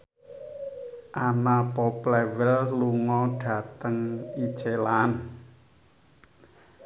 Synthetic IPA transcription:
ʔanapɔplɛwɪlluŋɔɖ̥ä̤t̪əŋi̥t͡ʃelaːn

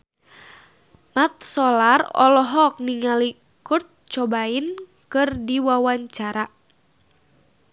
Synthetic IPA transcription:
mat̪̚sɔlarɔ̰lɔɦɔk̚niŋali | kʊrt̪̚t͡ʃɔbain | kɨrdiwawaɲt͡ʃaɾa

